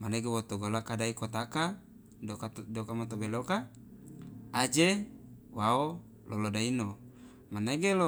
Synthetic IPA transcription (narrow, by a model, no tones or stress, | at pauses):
maneɡewot̪oɡolakadaikot̪aka | adokamat̪obeloka | d͡ʒewao | lʔolodaino | maneɡelo